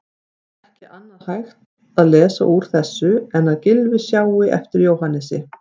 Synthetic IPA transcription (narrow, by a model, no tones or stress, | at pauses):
ɛhcɪʔanːaðhajxt̪ | aðlɛːsa̰ʔuɾ̥θɛsːʏɛnaðcɪlvɪsjaːwɪʔɛ̰ft̪ɪɾjowhanːɛsɪ̰